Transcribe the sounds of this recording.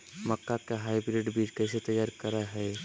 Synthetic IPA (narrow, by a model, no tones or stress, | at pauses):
mɐkːakaɦaːibɾeːɖbʱikɛːs̬et̪ɐjːaːɾkɐɾaɦɛː